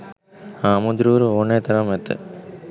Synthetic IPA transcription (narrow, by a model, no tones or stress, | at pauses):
aːmud̪ɾuːɾuoːneːt̪ɐɾɐmet̪ɯ̰